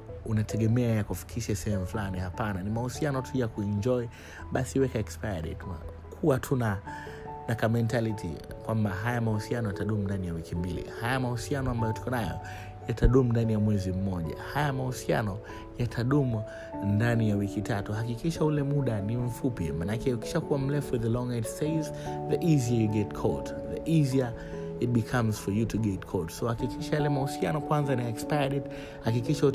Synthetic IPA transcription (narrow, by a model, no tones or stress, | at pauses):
unatʰɛɠɛmɛajakufi̥kʰiʃasɛhɛmuflanihapananimahusianɔtʰujakuɛɲd͡ʒɔi | ɓasiwɛkaɛkspajaɗḭtua̰ | kʰuwatʰuna | nakamɛntalitʰḭkwambaɦajamahusianɔjataɗumundanijawikimbilḭhajamahusianɔambajɔtu̥kɔnajɔ̰ | jataɗumundanijamwɛzim̩mɔʄa̰hajamahusia̰nɔ | jatʰaɗum | ndanijawikitatuhakikiʃaulɛmuɗanim̩fupḭmanakɛuki̥ʃakuwam̩lɛfuɛðəlɔŋɛtseɪz | ðəʔiziajuɡɛtkʰɔlt | ðəʔizia | it̚ɓikʰamz̥fɔjutuɡɛtkʰɔltsohakikiʃajalɛmahusianɔkwanzanajɛkspajɾɛt | hakikiʃau